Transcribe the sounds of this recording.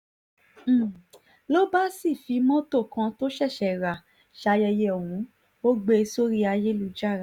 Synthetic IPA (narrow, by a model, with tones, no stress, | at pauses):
lo˦ba˦si˦˨fi˨˦mɔ̃˦to˦˨kã˧to˦ʃɛ˦˨ʃɛ˨ɾa˨ | ʃa˧jɛ˧jɛ˧ɔ˨wũ˨˦ | o˦ɡ͡be˧so˦ɾi˦a˧je˦lu˨˦d͡ʒa˦˨ɾa˨